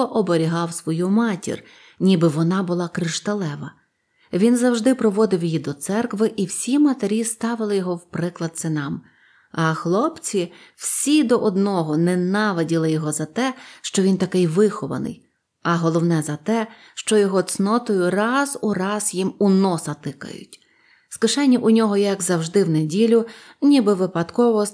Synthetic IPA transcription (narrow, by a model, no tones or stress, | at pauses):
ɔʔɔbɔɾʲiɦɑwsʋɔjumɑtʲḭrʲ | nʲibɪʋɔnɑbʊlˠɑkɾɪʃt̪ɐlˠɛʋɐ | ʋʲinzɐwʒd̪ɪpɾɔʋɔd̪ɪwjjid̪ɔt̪sɛrkʋɪʔiwsʲimɐt̪eɾʲist̪ɑʋɪlˠɪjɔɦɔwpɾɪklˠɐd̪̚sɪnɑm | ɐxlˠɔpt͡sʲiw̥sʲid̪ɔʔɔd̪nɔɦɔnɛnɑʋedʲilˠɪjɔɦɔzɐt̪ɛʃt͡ʃɔʋʲint̪ɐkɪjʋɪxɔʋɐ̰nɪ̰j | ɐɦɔlˠɔwnɛzɐt̪ɛ | ʃt͡ʃɔjɔɦɔt̪snɔt̪ɔjʊrɑzurɑz̥jimunɔsɐt̪ɪkɐ̰jʊ̰tʲ | skɪʃɛnʲːiʔʊnʲɔɦɔjɐɡzɐwʒd̪ɪwnedʲilʲʊ | nʲibɪʋɪpɐd̪kɔʋɔ